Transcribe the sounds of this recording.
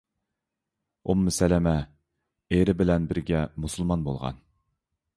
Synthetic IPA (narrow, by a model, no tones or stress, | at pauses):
umːɪsɛlɛmɛ | eɾɪbɪlɛnbɪɾɡʲɛmusɨlˠmɑnbolˠʁɑ̰n